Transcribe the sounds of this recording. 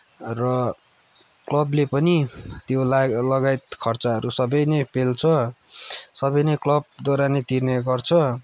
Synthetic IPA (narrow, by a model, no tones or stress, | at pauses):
rʌ | klʌblepʌnit̪jolʌɡajt̪̚kʰʌrt͡saɦʌɾusʌbʌjnʌjpelt͡sʰʌ | sʌbʌjnʌjklʌb̚d̪ʌɾanet̪irneɡʌrt͡sʰʌ